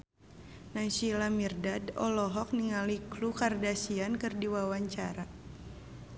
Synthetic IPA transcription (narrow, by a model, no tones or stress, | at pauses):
nasilamirdadɔ̰lɔɦɔk̚niŋaliklukardasiankɨrdiwawaɲt͡ʃaɾa